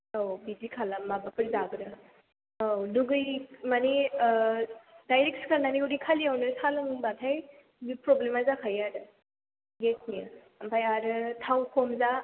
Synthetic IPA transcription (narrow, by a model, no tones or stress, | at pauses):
owbidikʰalamːabapəɾizaɡɾɯ | owluɡɯjmani | dajɾek̚skʰəɾnaniuɽikʰaliawnɯɾsʰaləmɯŋbat̪ʰaj | bipɾoblemazakʰajaɾɯ | ɡetnijə | ampʰajaɾɯt̪ʰawkʰomza